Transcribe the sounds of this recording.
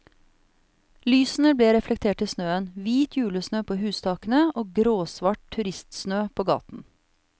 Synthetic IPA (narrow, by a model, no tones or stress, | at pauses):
lyːsn̩əbleːɾɛflɛk̚t̪ʰeːʈɪsnøːənʋiːt̪ʰjʉːləsnøːpʰoːhʉːst̪ʰɑːkənəʔoːɡɾoːsʋɑʈ̚t̪ʰʉɾɪst̪snøːpʰoːɡɑ̰ːt̪n̩